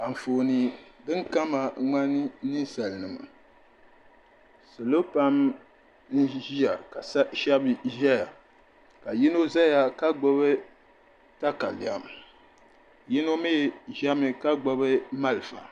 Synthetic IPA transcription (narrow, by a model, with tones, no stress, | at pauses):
a˨ɱ̩˨foː˨ni˨dɨ˦ŋ˦ka˦ma˨ŋa˦nɨ˦ni˦sa˨lnɨ˨ma̰˨ | sɨ˨lo˦pa˦m | n̩˦ʒi˦a˨ka˨sʃa˦bɨ˨ʒa˦ja˨ | ka˨ji˦no˦za˦ja˨ka˦ɡ͡bo˦βɨ˦ | ta˦ka˨li˨a̰˨m | ji˦no˦me˦˨ʒa˦mɨ˦ka˦ɡ͡bo˦bɨ˦ma˦lɨ˨fa̰˨